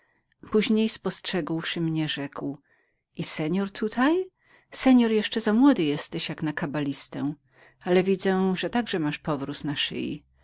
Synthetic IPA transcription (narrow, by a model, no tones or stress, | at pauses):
puʑɲejspɔstʂɛɡwʂɘmɲɛʐɛkw | isɛɲɔɾt̪ʰut̪ʰaj | sɛɲɔɾjɛʂt͡ʂɛzamwɔd̪ɘjɛst̪ɛɕjaknakabalʲist̪ɛ | alɛvʲid̪zɛʐɛt̪aɡʐɛmaʂpɔvɾusnaʂɘ̰jḭ